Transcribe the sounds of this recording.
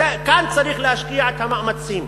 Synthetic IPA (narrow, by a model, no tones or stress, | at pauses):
ekant͡saɾiχlehaʃkiaʕet̪hamaʔmat͡sim